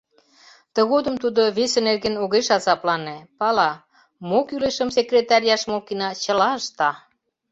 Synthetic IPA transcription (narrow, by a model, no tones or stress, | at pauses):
t̪ə̆ɣod̪ə̆mt̪ud̪oβesenerɣenoɣeʃɑzɑplɑnepɑlɑ | mokyleʃə̆msekrʲet̪ɑɾʲijɑʃmokinɑt͡ɕə̆lɑəʃt̪ɑ